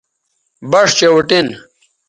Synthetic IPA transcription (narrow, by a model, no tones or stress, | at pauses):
bɐʂt͡ɕewuʈin